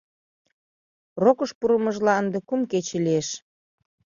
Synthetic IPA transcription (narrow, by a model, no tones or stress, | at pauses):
rokəʃpuɾəmə̆ʒlɑənd̪ekumket͡ɕelieʃ